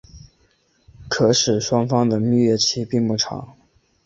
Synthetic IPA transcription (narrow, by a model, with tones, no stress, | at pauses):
kʰɤ˧˥ʂɻ̩˨˩ʂwɑ˥ŋfɑ˥ŋd̪ə˨mi˥˧ɥɛ˥˩t͡ɕʰi˥pi˥˧ŋpu˥˩ʈ͡ʂʰɑ̰˨˧˥ŋ